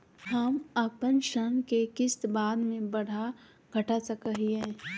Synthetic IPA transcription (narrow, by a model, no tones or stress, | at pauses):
hɐməpənʃənkekɪst̪baːd̪mẽbɐɽ̤a | ɡʱɐʈasɐkəɦiɦɛ̃ː